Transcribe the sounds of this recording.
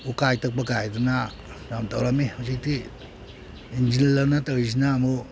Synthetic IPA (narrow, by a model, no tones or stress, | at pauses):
ukajtak̚bakajduna | damtawɾamehawsik̚ti | ind͡ʒinlawnatawis̬inaːmu